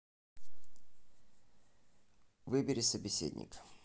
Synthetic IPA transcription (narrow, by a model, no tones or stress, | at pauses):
vɨbʲɪɾʲɪsəbʲɪsʲḛdʲnʲɪ̰k